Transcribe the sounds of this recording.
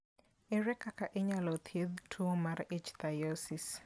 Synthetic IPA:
ɪɾɛkakaʔɪɲalɔt̪ʰjed̪tʰumaɾɪt͡ʃt̪ajosis

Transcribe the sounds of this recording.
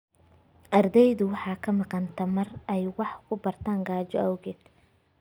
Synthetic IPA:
ʔɐrd̪ɛjðʊwɑħɑːkʰɐmɑqɑnt̪ʰɐmɐrɛjwɑħkʰʊbɐrt̪ʰaːŋɡaːt͡ʃɔʔɐwɣɛːd̪̥

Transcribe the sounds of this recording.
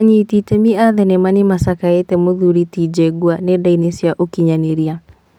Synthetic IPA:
ɲititemiaðɛnemanimasakaetɛmoðuɾitid͡ʒɛɡwanedainesjaʔokiɲaneɾia

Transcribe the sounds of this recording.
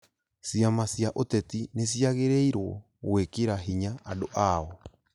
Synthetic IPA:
siamasjaʔotɛtines̬ijaɣeɾeiɾwɔ̰ | ɣwekeɾaɦiɲaadoʔaɔ

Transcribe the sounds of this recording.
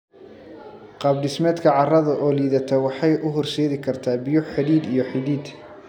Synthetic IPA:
qɑːb̚ɖɪsmɛːd̪kʰɐʕɑrɐðɐʔɔːliːðɐt̪ʰɛwɑħɑjʔʊɦɔrsɛːðɪkʰɐrt̪ʰaːbɪjʊħħɪðiːd̪ijɞħɪðiːd̪

